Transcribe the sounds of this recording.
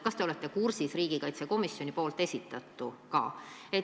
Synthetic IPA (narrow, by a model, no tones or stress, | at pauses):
kɑst̪eo̞le̞t̪ˑːe̞kursisriːɡ̥ikɑjt̪seko̞misjo̞nʲipo̞ːlt̪ˑːe̞sʲit̪ːˑɑt̪ˑːukɑ̰ːe